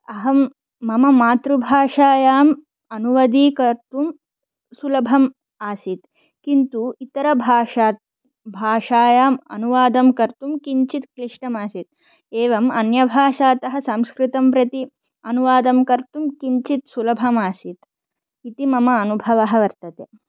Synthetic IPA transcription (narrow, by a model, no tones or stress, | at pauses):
ɐɦɐmː | ɐmɐmaːt̪ɾubʱaːʂaːjaːm | ɐnuʋɐd̪iːkɐɾt̪um | sulɐbʱɐm | aːsit̪ | kint̪uit̪ɐɾɐbʱaːʂaːt̪̚ | bʱaːʂaːjaːmɐ̰nuʋaːd̪ɐmkɐɾt̪umkiɲt͡ʃit̪kɾiʂɳɐmaːsit̪̚ | eːʋɐmɐnjɐbʱaːʂaːt̪ɐɦɐ̆sɐmskɾɪt̪ɐmpɾɐt̪i | ɐnuʋaːd̪ɐmkɐɾt̪umkiɲt͡ʃit̪sulɐbʱɐmaːsit̪ | it̪imɐmɐːnubʱɐʋɐɦɐʋɐɾt̪ɐt̪eː